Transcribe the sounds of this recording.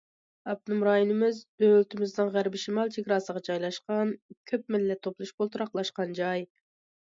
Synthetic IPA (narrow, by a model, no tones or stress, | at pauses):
ɑb̚d̪ɨmɾɑːjinɪmɪzd̪ølt̪ʰɪmɪzdnɨŋʁæɾbɪʃɪmɑlˠt͡ʃʰeɡʲɾɑːsəʁɑd͡ʒɑjlˠɑʃqɑnkʲʰøp̚mɪlːɛt̪ʰːoplˠuʃbolˠt̪uɾɑqlˠɑʃqɑnd͡ʒɑj